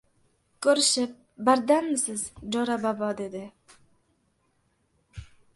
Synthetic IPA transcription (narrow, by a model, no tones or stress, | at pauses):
kɵɾɪʃɪp̚ | bæɾd̪anmɪsɪzd͡ʒɒɾabɒbɒd̪e̞d̪ɪ